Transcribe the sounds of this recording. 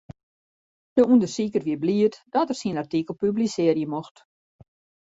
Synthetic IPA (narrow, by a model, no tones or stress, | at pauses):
d̥əundərsikərʋiəbliətd̥ɔtərsinartikəl̩ˠpyblisɪərjəmoxt